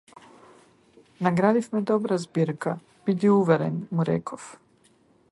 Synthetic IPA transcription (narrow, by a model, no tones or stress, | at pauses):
naɡɾaːd̪ifmed̪o̞bɾazbiːɾka | bit̪iuʋeɾenmuɾḛkʰof